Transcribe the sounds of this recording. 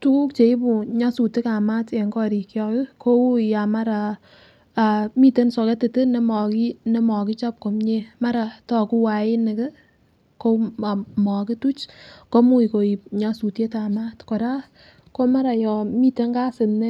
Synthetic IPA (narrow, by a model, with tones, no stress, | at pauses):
tu˦ku˦kt͡ʃe˨i˦pu˨ɲa˦su˨tɪ˦ka˨ma˦te˨ŋɡɔ˦ɾi˨kjɔ˧kɪ˦kʰo˦u˦a˨ma˦ɾa˨ | a˨mi˦te˦nsɔ˨kɛ˦te˨tɨ˦ne˦mɔ˨ki˦ne˦mɔ˨ki˦t͡ʃa˦p̚ko˨mɲe˦ma˦ɾa˨tɔ˦ku˦wa˨ɪ˦nɪ˨kɪ˦ | ko˦a˨mɔ˨kɪ˦tu˦t͡ʃko˦mu˦i˨ko˨i˨ɲa˦su˨tje˦ta˨ma˦tkɔ˨ɾa˦ | ko˦ma˦ɾa˨jɔ˨mi˦te˦ŋɡa˦sɪ˨nːe˦